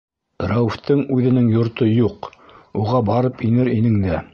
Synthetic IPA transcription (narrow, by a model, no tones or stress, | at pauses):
ɾæwft̪ɤŋʉðɘ̆nɘŋjŏɾt̪ojuquʁɑbɑɾɤpinɘɾinɘŋd̪æ